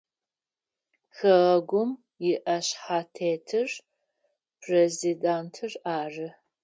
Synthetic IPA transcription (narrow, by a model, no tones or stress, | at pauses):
xɐʁɐɡʷʊm | jɪʔɐɕħatʰeːtʰɨr | pʰrezidaːntʰɨraːrɨ